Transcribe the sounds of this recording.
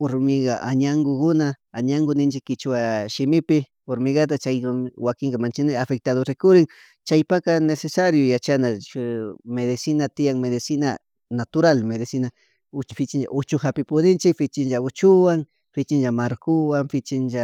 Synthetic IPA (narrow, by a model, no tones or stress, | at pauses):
ʊɾʊmɪɣaʔaɲaŋɡokʊnaː | ɲaŋɡʊnɪnt͡ʃɪkːɪt͡ʃwaʃɪmɪpɪ | foɾmɪɡat̪̬at͡ʃajmwakɪŋkamant͡ʃɪnɪafek̚t̪aðoɾɪkʊɾɪŋ | t͡ʃajpakanesesaɾjʊjat͡ʃana | meðɪsɪnat̪ɪjaŋmeðɪsɪna̰ | nat̪ʊɾalmeðɪsɪna | ʊt͡ʃfɪt͡ʃɪnd͡ʒa̰ʔʊt͡ʃʊxapɪpʊnɪnt͡ʃɪkfɪt͡ʃɪnd͡ʒaʊt͡ʃʊwaŋ | fɪt͡ʃɪnʒamaɾkʊwaŋfɪt͡ʃɪnʒa